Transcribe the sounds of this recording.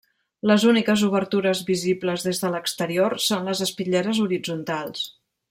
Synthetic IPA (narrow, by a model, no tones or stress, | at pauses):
ləzunikəzuβəɾt̪uɾəzβizibləzðezðələkst̪əɾioɾsonləzəspiʎeɾəzuɾid͡zunt̪alˠs